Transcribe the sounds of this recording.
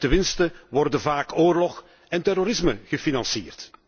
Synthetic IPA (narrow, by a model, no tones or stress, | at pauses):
təmɪnstəʋɔrdənvaːkoːrlɔx | ɛntɛroɾɪzmə̰ɣəfinɑnsḭːrt